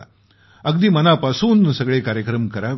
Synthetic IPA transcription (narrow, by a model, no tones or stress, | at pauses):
ɐɡ̚d̪imɐnaːpɐsuːnːusɐɡɐɭeːkaːɾjɐkɾɐmkɐɾa